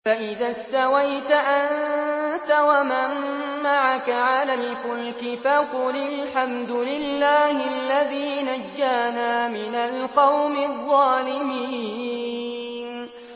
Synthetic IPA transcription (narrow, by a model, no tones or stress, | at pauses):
faʔɪðaːst̪awajt̪aʔant̪awamamː | aʕakaʕalalfʊlkɪfaqʊlɪlħamd̪ʊlɪlːaːhɪalːaðiːnad͡ʒːaːnaːmɪnalqɑwmɪðˤːɑːlɪmiː | n